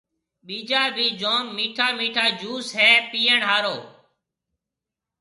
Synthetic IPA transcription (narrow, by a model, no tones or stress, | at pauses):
ɓiːd͡ʒaːbʱiːd͡ʒoːmːiːʈʰaːmiːʈʰaːd͡ʒuːsɦɛːpiːəɳɦaːɾoː